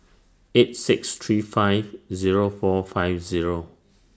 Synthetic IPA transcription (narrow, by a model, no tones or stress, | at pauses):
et̚sikstʰɹiːfajvziɹofɔfaɪvziɹo